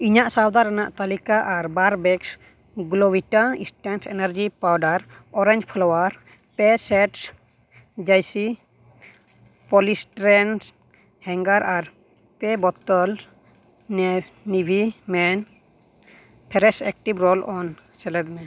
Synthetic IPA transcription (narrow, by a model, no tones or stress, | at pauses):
iɲaʔsawd̪aɾanaʔt̪alikaʔaɾbaɾbɛks | ɡulɔbiʈaĩsʈɛnsʰɛ̰naɾd͡ʒipawɖaɾɔɾɛ̃ɲd͡ʒpʰɔlɔwaɾ | pɛsɛʈs | d͡ʒajsi | pɔlisʈɾɛns | hɛŋɡaɾʔaɾ | pɛbɔt̪ɔl | n | nibʱimɛn | pʰɛɾɛsɛk̚ʈibɾɔlɔnsɛlɛd̪mɛ